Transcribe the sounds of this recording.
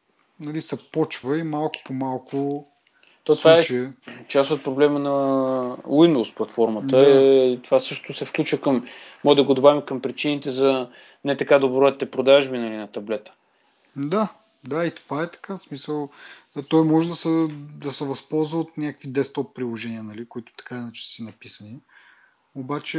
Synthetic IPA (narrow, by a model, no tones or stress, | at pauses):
nɐlisɛpɔt͡ʃvəimalˠkʊ̥pomalˠkʊ | t̪ovaɛt͡ʃiɛt͡ʃast̪ot̪̚pɾoblɛmənɐ | wind̪usplˠɐt̪fɔɾmət̪əɛt̪ovasɤʃt̪ʊsɛfklʲut͡ʃvəkəmmɔɡd̪ɐɡod̪obavʲimkəmpɾit͡ʃinit̪ɛzɐ | nɛt̪ɐkad̪obɾɔɛt̪ɛpɾod̪aʒbinɐlinɐt̪ɐblɛt̪ə̥ | d̪a | d̪ait̪ovaɛt̪ɐ̥kasmisəlˠːt̪ɔjmɔʒɛd̪ɐsɛd̪ɐsɛvɐspɔlˠzvəot̪nʲakəkvid̪ɛst̪ɔpːɾilˠoʒɛniənɐlikʊit̪ʊ̥t̪ɐ̥kainat͡ʃɛ̥sənɐpisəni | obat͡ʃɛ